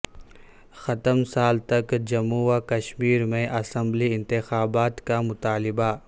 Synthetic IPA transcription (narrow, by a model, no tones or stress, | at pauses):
xɐt̪əmsaːlt̪ɐkd͡ʒɐmuːakɐʃmiːɾmẽʔɐsɐ̃mbliɪ̃nt̪ɪxaːbaːt̪kamʊt̪aːlɪba